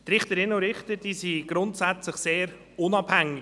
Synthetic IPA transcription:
t̪ɾɪχtəɾɪnoɾɪχtəd̥iːsiɡ̥ɾʊntsæt͡slɪχseːɾ | ʊnɑb̥hæŋːɪ

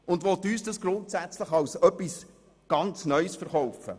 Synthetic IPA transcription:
ʊndʋɔt̪yːsdɑsɡ̥ɾʊntsæt͡sləχɑwsœpːis | ɡ̥ɑnt͡snœʏsfəɾχɔwfə̰

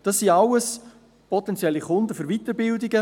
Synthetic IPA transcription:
d̥ɑsːiɑwəs | pʰɔtɛnt͡sjɛlːiχʊnd̪əfʏɾʋit̪əɾbɪldɪɡə

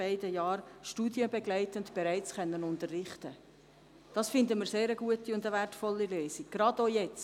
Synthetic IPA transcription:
æɪdəjɑːɾʃtuːdjəbɛɡlæɪtəntb̥ɛɾæɪt͡sχœnːənʊntərːɪχt̪ə | d̥ɑsfɪndəmɪɾseːɾəɡ̥uətiʊndəværtfɔlːiløːsiɡ̥ɾɑdojɛt͡s

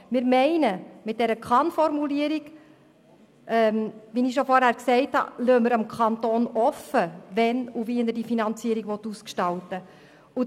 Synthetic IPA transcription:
mɪɾmɛɪnəmɪt̚d̥ɛɾəkʰɑnfɔɾmuliəɾiɡ | ʔɛmʋiniʃɔfɔɾhæːɾksɛɪthɑ̰løːməɾəmkʰɑnt̪oːnɔfəvɛnuviənəɾdifinɑnt͡siəɾiɡʋɔt̪ːuskʃtɑltə | u

